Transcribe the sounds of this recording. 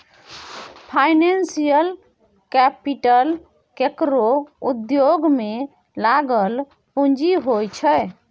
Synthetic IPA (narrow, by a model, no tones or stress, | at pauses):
pʰajnensijəl | kɛpiʈəl | kekɾoud̪joɡme | laɡəl | pũnd͡ʒiɦojt͡ʃʰəj